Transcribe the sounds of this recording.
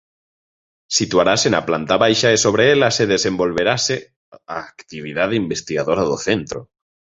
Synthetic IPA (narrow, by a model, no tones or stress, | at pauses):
sit̪uaɾasena̰plant̪aβajʃaesoβ̞ɾeelaseðesẽmbo̞lβeɾase | aːkt̪iβ̞iðaðimbest̪iɣaðoɾaðoθent̪ɾo